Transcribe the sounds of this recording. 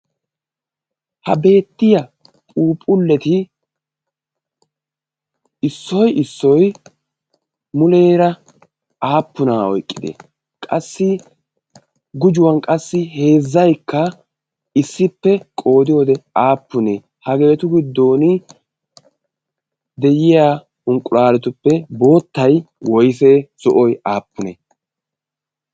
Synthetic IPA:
hɐ̰be̞ːt̪ːɪjɐ | pʼuːpʼʊlːɛt̪ɪ | ɪsːɔjɪsːɔj | mʊleːɾɐ | aːpːʊnaːɔ̰jkʼːɪd̪ḛː | kʼɐsːɪ | ɡʊd͡ʒʊwɐnkʼɐsːɪhe̞ːzːɐjkːɐ | ɪsːɪpːɛkʼo̞ːd̪ɪjoːd̪ɛaːpːʊneː | hɐɡe̞ːt̪ʊɡɪd̪ːo̞ːnɪ | d̪ɛjɪjaː | ʊŋkʼʊlaːlɛt̪ʊpːɛbo̞ːt̪ːɐj | wɔjseːz̥ɔʔɔjaːpːʊnḛː

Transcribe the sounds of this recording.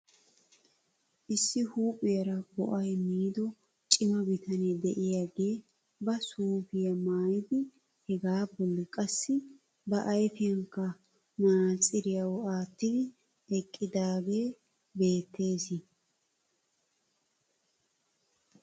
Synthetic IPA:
ʔɪsːɪhuːpʼːɪjɐɾɐbɔ̰ʔɐjmiːd̪ɔ | t͡ʃʼɪmɐbɪt̪ʰɐnɛd̪ɛʔɪjaɡeː | bɐsuːfɪjɐmaːjɪd̪ɪ | hɛɡaːbɔlːɪkʼɐsːɪ | bɐʔɐjfɪjɐŋkːɐ | maːt͡sʼɪɾɪjɐwɔaːt̪ːɪd̪ɪ | ɛkʼːɪd̪aːɡe̞ː | be̞ːt̪ːe̞ːsɪ

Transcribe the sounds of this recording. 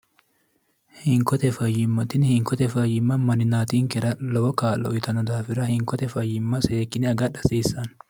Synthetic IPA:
hɪŋkɔt̪ɛfɐjɪmːɐt̪ɪnhɪŋkːɔt̪ɛfɐjɪmːɐmɐnɪnaːt̪iːŋkɛɾɐlɔwɔkaːlːɔ̰ɪt̪ɐnɔd̪aːfɪɾɐhɪŋkɔt̪ɛfɐjːɪmːɐseːkːɪnɛɐɡɐᶑɐsiːsːɐn

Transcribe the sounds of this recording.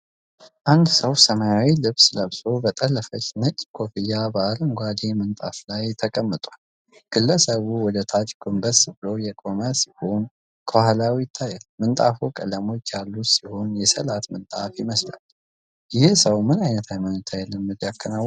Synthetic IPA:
ʔand̪səwsəmajawilɨβsləβso̞bət̪ʼəlːəfət͡ʃnət͡ʃʼːkʰofijːabəalɨŋɡʷad̪emɨnt̪ʼaflajt̪ʰːəkʼəmːət̪ʼwal | ɡ̥ɨlːəsəβuwɔd̪ət̪ʰat͡ʃʼɡombəsbɨlo̞jɛkʼoməsiho̞n | kʰohalawijɪt̪ʰːajɛlmɨnt̪ʼafukʼə̰ləmo̞t͡ʃːjalːut̪siho̞njɛsəlat̪mɨnt̪ʼafɪməsla̰l | jɪhsəwmɨnajnət̪ʰajmanɪt̪ʰːajɛlːɨnmːɨd̪jakːənaw

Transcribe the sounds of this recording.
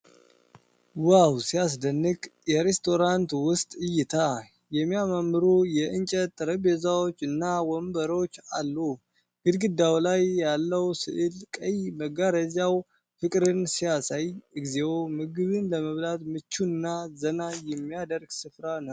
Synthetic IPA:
wawsijas̬d̪ənːɨkʼjɛɾest̪ʰo̞ɾant̪wʊst̪ʼɨjːɪt̪ʰa | jɛmːijamamːɨɾujɛʔɨnt͡ʃʼət̪ʼːɨɾəbezawot͡ʃːɨnːawɔmbəɾot͡ʃːalːu | ɡ̥ɨd̪ɡɨd̪ːawlajːalːəwsɨʔɨlkʼəjməɡaɾəzaw | fɨkʼɾɨnsijasajɨɡzewomɨɡɨβɨnləməβlat̪mɨt͡ʃːuɨnːazənajɛmːijad̪əɾɡsɨfɾanəw

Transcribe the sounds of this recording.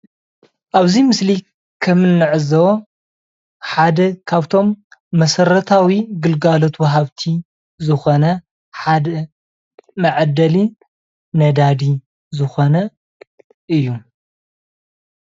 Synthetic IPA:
ʔaβzimɨsli | kʰɐmɨnːɨʕɨzɐwo | ħad̪ɐkʰaβt̪ʰo̞mːɐsɐɾɐt̪ʰawiɡɨlɡalo̞t̪wɐɦaβt̪ʰi | zɨxo̞nɐ | ħad̪ɐ | mɐʕd̪ɐli | nɐd̪ad̪i | zɨxo̞nɐ | ʔɨjːu

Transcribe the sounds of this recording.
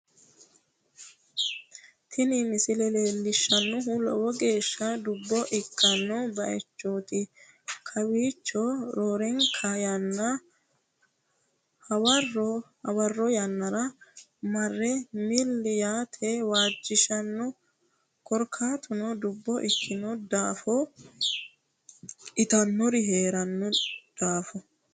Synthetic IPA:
t̪ʰɪnɪmɪsɪlɛleːlːɪʃːɐnːʊɦʊlɔ̰wɔɡe̞ːʃːɐd̪ʊbːɔʔɪkːɐnːɔbɐʔɛ̰t͡ʃːoːt̪ɪ | kʰɐwiːt͡ʃːɔɾoːɾɛŋkʰɐjɐnːɐ | hɐwɐrɔhɐwɐrːɔjɐnːɐɾɐ | mɐrːɛmɪlːɪjaːt̪ʰewaːd͡ʒːɪʃɐnːɔ | kɔɾkʰaːt̪ʊnɔd̪ʊbːɔʔɪkʰːɪnɔd̪aːfɔ | ʔɪt̪ɐnːɔɾɪɦe̞ːɾɐnːɔd̪̥aːfɔ

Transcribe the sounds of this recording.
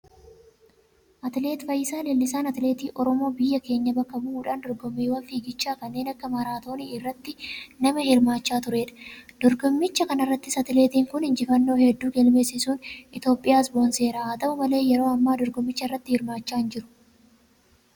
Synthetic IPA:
ʔɐt̪ɪle̞ːt̪fɐjːɪsaːlelːɪsaːnɐt̪ɪle̞ːt̪iːʔɔɾɔmo̞ːbɪjːɐke̞ːɲːɐbɐkːɐbʊʔuːᶑaːnd̪ɔɾɡɔmːiːwɐnfiːɡɪt͡ʃːaːkɐnːe̞ːnɐkːɐmɐɾaːt̪o̞ːniːɪrːɐt̪ːɪnɐmɐhɪɾmaːt͡ʃːaːt̪ʊɾe̞ːᶑɐ̥d̪̥ɔɾɡɔmːɪt͡ʃːɐkɐnɐrːɐt̪ːɪsɐt̪ɪle̞ːt̪iːŋkʊnhɪnd͡ʒɪfɐnːo̞ːhɛd̪ːuːɡɛlme̞ːsːɪsuːnɪt̪jo̞ːpʼːɪjaːsboːnse̞ːɾaːɐt̪ɐbʊmɐle̞ːjɛɾo̞ːɐmːaːd̪ɔɾɡɔmːɪt͡ʃːɐrːɐt̪ːɪhɪɾmaːt͡ʃːaːɪnd͡ʒɪɾʊ̥

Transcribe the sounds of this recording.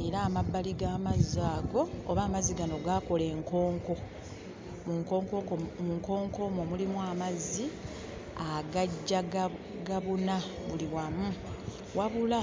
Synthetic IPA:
eɾaːmabːaliɡaːmazːaːɡo̞ːβaːmaziɡano̞ɡako̞le̞ːŋko̞ːŋko̞ | muŋkokokomuŋko̞ːŋko̞momulimwaːmazːi | aɡaɟːa | ɡaβunaβuliwamu | waβula

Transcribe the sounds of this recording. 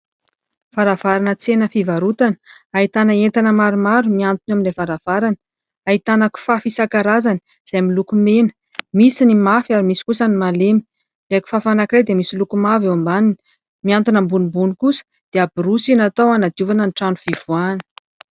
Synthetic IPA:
faɾav̥aɾanət͡senəfivaɾut̪anə̥ | ait̪anəent̪anəmaɾumaɾumiant̪unaminlefaɾav̥aɾanə̥ | ait̪anaku̥fafisakaɾazani̥ | z̥ajmilukumenə̥ | misinimafiaɾimisi̥kusanimalemi̥ | leku̥fafanakirejd̪emisilukumaveambanini̥ | miant̪unəmbunimbunikusə̥ | d̪̥eabiɾusinat̪owanad̪juvanəniʈ͡ʂanuv̥iv̥uanə̥

